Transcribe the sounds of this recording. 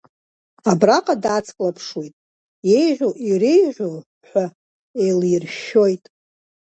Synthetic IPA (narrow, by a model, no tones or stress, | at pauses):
abraqʼadat͡sʰkʼlapʰʂwejtʼ | jejʒʷoʔirejʕʷo | ħʷᶣa | ejlirʃːo̞jtʼ